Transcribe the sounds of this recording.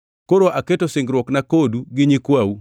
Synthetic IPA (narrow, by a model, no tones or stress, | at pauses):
koɾoʔaketosɪŋɡɾwɔknakoduɡɪɲikwawu